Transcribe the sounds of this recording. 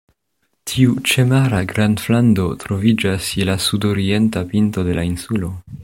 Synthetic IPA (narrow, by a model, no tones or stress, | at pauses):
tʰiut͡ʃe̞maɾaɡɾandflando̞tɾo̞vid͡ʒasilasudo̞ɾie̞ntapinto̞de̞lainsulo̞